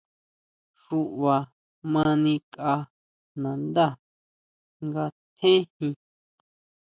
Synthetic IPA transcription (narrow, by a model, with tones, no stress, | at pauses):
ʂu˧ʔβa˨ | mã˧nĩ˧ka˧ | nã˨nd̪a˦˨ | ŋɡa˧t̪ʰẽ˦hĩ˧